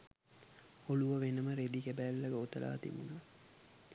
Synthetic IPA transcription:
oluʋəʋenəməɾed̪ikæbælːɐɡoːt̪əlʔa̰ːt̪ḭbunə

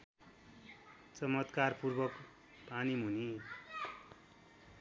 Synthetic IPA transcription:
t͡sʌmʌt̪karpurbʌk | panimuni

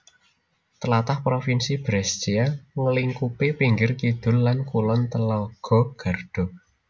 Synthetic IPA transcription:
t̪əlat̪ahpɾofinsib̥ɾɛst͡ʃiaŋəliŋkupepiŋɡɪrkid̪̥ʊ̤lːankulɔnt̪əlɔɡ̥ɔ̤ɡ̥a̤rd̥ɔ̤

